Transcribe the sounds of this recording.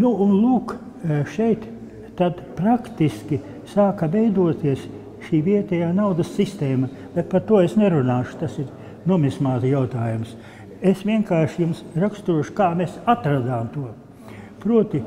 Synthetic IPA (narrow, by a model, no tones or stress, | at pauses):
nuːnlˠuːk | ʃɛjt̪ː | ad̪pɾakt̪iskʲi | saːkɐʋɛjd̪uɔt̪iɛs | ʃiːʋiɛt̪ʲɛjaːnawd̪ɐsːist̪eːmɐ | b̥ɛt̪̚paɾt̪uɔesnɛɾunaːʃʊ̥t̪asiɾ | nuɔmʲismaːt̪jawt̪aːjums | esʋiɛŋkaːʃjumsɾakst̪uɔʃu̥kaːmɛsat̪ɾad̪aːmt̪uɔ | pɾuɔt̪i